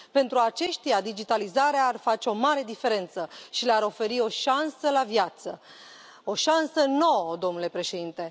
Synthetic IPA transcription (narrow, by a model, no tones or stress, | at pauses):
pe̞nt̪ɾuat͡ʃe̞ʃt̪ijad̪id͡ʒit̪alizaɾeaːrfat͡ʃe̞o̞maɾe̞d̪ife̞ɾe̞nt̪səʃileaɾo̞fe̞ɾio̞ʃansəlavjat̪sə̰ | o̞ʃansəno̞wəd̪o̞mnule̞pɾe̞ʃe̞d̪int̪e̞